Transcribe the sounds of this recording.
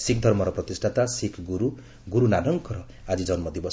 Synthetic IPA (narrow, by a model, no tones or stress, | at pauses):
sikʰd̪ʱʌrmʌɾʌprʌt̪isʈʰat̪asikʰɡuɾu | ɡuɾunanʌŋkʌɾʌ | ad͡zid͡zʌnmʌd̪ibʌs